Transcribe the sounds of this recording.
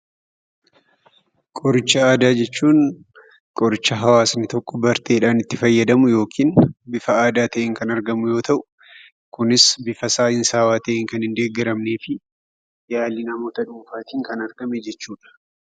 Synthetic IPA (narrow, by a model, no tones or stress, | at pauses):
kʼɔɾɪt͡ʃːɐaːd̪aːd͡ʒɛt͡ʃːuːn | kʼɔɾɪt͡ʃːɐɦɐwaːsnɪt̪ɔkʼːɔbɐɾt̪ʰe̞ːᶑaːnɪt̪ːɪfɐjːɐd̪ɐmʊjo̞ːkʰiːnbɪfɐaːd̪aːt̪ɐʔeːŋkɐnɐɾɡɐmʊjo̞ːt̪ɐʔʊ̥ | kʊnɪsbɪfɐsaːɪnsaːwaːt̪ɐʔeːŋkɐnhɪnd̪e̞ːɡɪɾɐmne̞ːfɪ | jaːlinɐmo̞ːt̪ɐᶑuːfaːt̪iːŋkɐnɐɾɡɐmɛd͡ʒɛt͡ʃːuːᶑɐ̥